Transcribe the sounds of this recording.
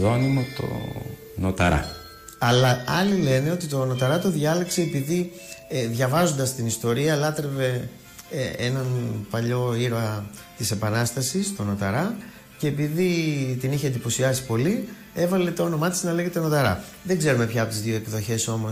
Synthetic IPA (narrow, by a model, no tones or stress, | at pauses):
ðonimot̪o̰ | not̪ɐ̰ɾɐ̰ | ɐlɐɐlile̞neo̞t̪it̪o̞no̞t̪ɐɾɐt̪o̞ðʝɐlekse̞ːpiði | ðʝɐvɐzo̞nd̪ɐst̪inist̪o̞ɾiɐlɐt̪ɾe̞ve̞ | enɐnpɐʎo̞iɾɐ | t̪ise̞pɐnɐst̪ɐsist̪o̞no̞t̪ɐɾɐ | ce̞ːpiðit̪iniçend̪ipo̞siɐsi̥po̞li | e̞vɐle̞t̪ɐo̞no̞mɐt̪i̥snɐle̞ɣe̞t̪no̞t̪ɐɾɐ̰ | ðeɡze̞ɾume̞pçɐpo̞t̪izðioekðo̞çe̞so̞mo̞